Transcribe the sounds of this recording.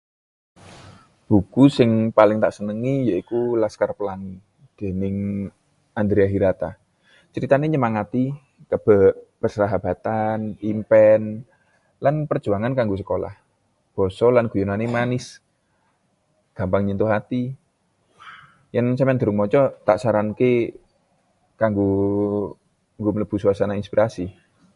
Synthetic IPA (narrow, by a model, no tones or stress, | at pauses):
b̥ukusɪŋpalɪŋt̪aʔsənəŋijaikulaskarpəlan | d̪̥e̤nɪŋ | and̪ɾiaɦiɾat̪a̰ | t͡ʃəɾit̪aneɲəmaŋat̪i | kəb̥a̤ʔpərsəaɦab̥a̤t̪animpɛn | lanpərd͡ʒʒ̥uaŋankaŋɡus̬əkola̰h | b̥ɔ̤sɔlanɡ̥ujunanimanɪs | ɡ̥a̤mpaŋɲənt̪uɦat̪i | jaŋsəmɛnd̪̥ə̤ɾʊŋmɔt͡ʃɔt̪aʔsaɾanke | kaŋɡu | ŋɡomələb̥ṳsuasanainspiɾʔasi